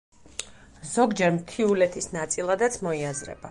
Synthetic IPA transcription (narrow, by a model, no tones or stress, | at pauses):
z̥ɔɡd͡ʒɛɾmt̪ʰiulɛt̪ʰisnat̪sʼilˠad̪at̪sʰmɔiazɾɛ̰b̥a